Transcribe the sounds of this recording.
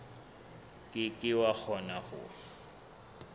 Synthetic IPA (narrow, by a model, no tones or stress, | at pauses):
kʼɪkʼɪwak͡xʰɔnabʊ̰